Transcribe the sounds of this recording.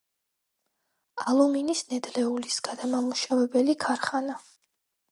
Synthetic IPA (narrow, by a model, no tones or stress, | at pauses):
alˠuminisnɛd̪lɛulisɡ̥ad̪amamuʃavɛbɛlikʰaɾχana